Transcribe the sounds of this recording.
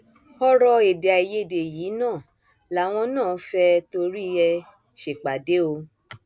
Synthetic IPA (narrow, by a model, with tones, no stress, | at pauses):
ɔ˦ɾɔ˧e˨de˨a˨i˨je˦˨de˨jiː˨˦nãː˦˨ | la˨˦˨w̃ɔ̃˧nãː˦˨˦fɛ˧to˧ɾi˦˧ɛ˧ | ʃe˨k͡pa˨de˨˦o˧